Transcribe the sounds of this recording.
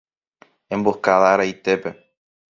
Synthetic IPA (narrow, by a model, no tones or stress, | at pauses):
ẽ̞mbokaðaɾajt̪e̞pe̞